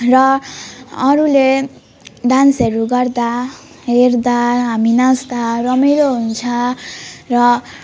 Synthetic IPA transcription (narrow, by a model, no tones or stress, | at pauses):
rʌː | ɾule | ɖansʌɾuɡʌrd̪a | ɦerd̪aɦaminasd̪arʌmeɾoɦunt͡sʰʌ | rʌ